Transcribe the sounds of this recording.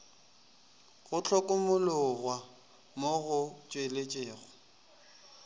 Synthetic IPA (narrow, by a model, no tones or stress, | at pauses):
ɣʊt͡ɬʰɔkʼʊmʊlʊɣwa | moɣʊt͡ʃʼwelet͡ʃʼeːɣʊ